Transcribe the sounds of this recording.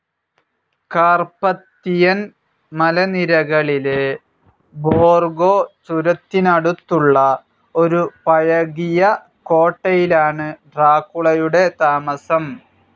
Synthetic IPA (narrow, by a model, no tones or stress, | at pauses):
kaːrpɐt̪ːijɐn | mɐlɐniɾɐɣɐɭile | boːrɡo̞ːt͡ɕuɾɐt̪ːinɐɽut̪ːuɭːɐ | o̞ɾupɐjɐɣijɐ | ko̞ːʈːɐjilaːɳɨɖraːkːuɭɐjuɽe̞t̪aːmɐsɐm